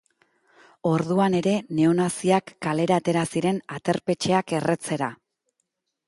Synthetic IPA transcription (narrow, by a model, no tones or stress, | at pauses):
o̞ɾðuane̞ɾe̞ne̞o̞nasiakːale̞ɾaːt̪e̞ɾasiɾe̞nat̪e̞ɾpe̞t͡ʃe̞ake̞re̞t͡se̞ɾa